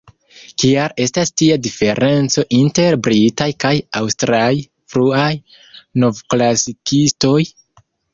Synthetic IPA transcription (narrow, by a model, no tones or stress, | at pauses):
kiaɾe̞stastiadife̞ɾʔe̞nt͡so̞ʔinte̞ɾbɾitajkajawstɾaj | fɾuaj | no̞vklasikisto̞j